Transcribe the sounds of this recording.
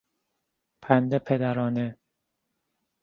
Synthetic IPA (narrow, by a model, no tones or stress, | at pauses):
pʰænd̪epʰed̪æɾɒːne